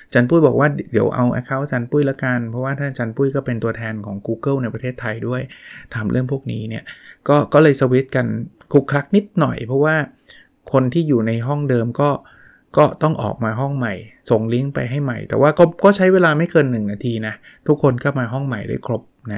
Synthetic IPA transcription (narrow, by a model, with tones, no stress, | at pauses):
t͡ɕa˧npuː˥˩jbɔː˨˩kwaː˥˩di˩˦əwʔa̰˧wʔa̰˧kʰa˦˥˩wt͡ɕa˧npuː˥˩jlɛ˦˥ka˧npʰɔ˦˥waː˥˩t̪ʰaː˥˩t͡ɕa˧npuː˥˩jkɔː˥˩pe˧nt̪u˧ɐt̪ʰɛː˧nkʰɔː˩˦ŋkuː˧kɤ˥˩wna˧jpɾa˧t̪ʰeː˥˩t̪ʰːa˧jdu˥˩əjt̪ʰaː˨˩˦mɾʔɯ˥˩əŋpʰu˥˩ək̚niː˦˥ni˥˩ɐkɔː˥˩kɔː˥˩lɤː˧jsa˧wi˦˥t̪̚ka˧n | kʰu˨˧˩kʰːɾa˦˥k̚ni˦˥t̪̚nɔ˨˩jpʰɾɔ˦˥waː˥˩ | kʰo˧nt̪ʰiː˥˩juː˨˩na˧jɦɔ˥˩ŋdɤː˧mkɔː˥˩ | kɔː˥˩t̪ɔ˥˩ŋʔɔ̰ː˨˩k̚maː˧ɦɔ˥˩ŋma˨˩jso˨˩ŋli˦˥əŋpa̰˧jɦa˥˩jma̰˨˩jt̪ɛ̰ː˨˩wʔaː˥˩kɔː˥˩kɔː˥˩t͡ɕʰa˦˥jweː˧laː˧ma˥˩jkɤː˧nːɯ˨˩ŋnaː˧t̪ʰiː˧na˦˥ | t̪ʰu˦˥kʰːo˧nkʰa˥˩maː˧ɦɔ˥˩ŋma˨˩jdṵ˥˩˨jkʰlo˦˥p̚na˦˥